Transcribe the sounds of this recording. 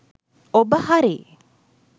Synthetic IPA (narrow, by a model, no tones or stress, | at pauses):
obəhɐɾḛː